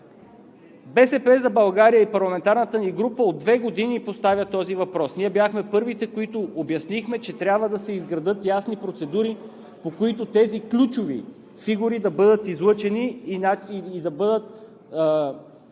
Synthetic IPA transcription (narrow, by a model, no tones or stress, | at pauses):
bɛsɛpɛzɐbɐlˠɡaɾijəipɐɾlˠɐmɛnt̪aɾnət̪əniɡɾupəod̪ːvɛɡod̪inipost̪avʲjət̪ɔzivɐpɾɔsniɛbjaxmɛpɤɾvit̪ɛkoit̪ʊobjɐsnixmɛt͡ʃɛt̪ɾʲjabvəd̪ɐsɛizɡɾɐd̪ɤt̪jasnipɾot̪sɛd̪uɾi | pokoit̪ʊt̪ɛziklʲut͡ʃʊvḭ | fiɡuɾid̪ɐbɤd̪ət̪izlˠɤt͡ʃɛniaːd̪ɐbɤd̪ət̪ː